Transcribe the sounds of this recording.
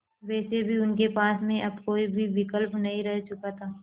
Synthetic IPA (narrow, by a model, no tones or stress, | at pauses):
ʋɛːsebʱiʊnkepaːsmẽʔɐbkoːibʱiʋɪkəlpnɐɦĩɾɛɦt͡ʃʊkat̪ʰaː